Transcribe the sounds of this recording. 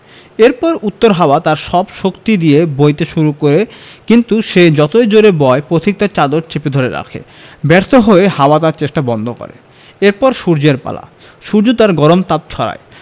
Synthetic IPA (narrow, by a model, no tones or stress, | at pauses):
eɾpɔɾut̪ːoɾɦaoat̪aɾʃɔbʃokt̪id̪iebojt̪eʃuɾukoɾekint̪uʃed͡ʑɔt̪ojd͡ʑoɾebɔepɾot̪ʰik̚t̪at͡ɕad̪oɾt͡ɕeped̪ʱoɾeɾa̰kʰḛ | bɛɾt̪ʰoɦoehaoat̪aɾt͡ɕeʃʈabɔnd̪ʱoko̰ɾḛ | eɾpɔɾʃuɾd͡ʑeɾpa̰la̰ | ʃuɾd͡ʑot̪aɾɡɔɾomt̪at̪̚t͡ɕʰɔɾa̰e